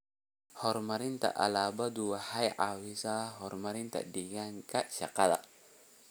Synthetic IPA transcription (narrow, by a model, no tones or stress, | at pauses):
hɔrmaɾint̪a̰ʔa̰labad̪uwahajʔawisaɦɔrmaɾint̪a̰diɡankaʃakala̰